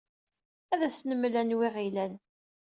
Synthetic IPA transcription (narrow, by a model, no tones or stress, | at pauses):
æðæsnəmːlænwiʁilæn